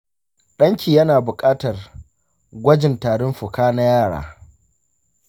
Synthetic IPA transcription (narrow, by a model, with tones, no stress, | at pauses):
ɗɐ˦ŋkʲiː˨jɐ˦naː˨bʊ˨kʼaː˦tɐ˨r | ɡʷɐ˦d͡ʒɪ˨ntaː˨ɽʊ˦mɸʊ˨kaː˦na˦jaː˦˨ɽa̰ː˨